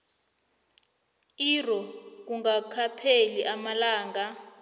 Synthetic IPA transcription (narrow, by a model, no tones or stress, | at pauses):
irɔk̬uŋɡakʰapʰeliʔamalaːŋɡa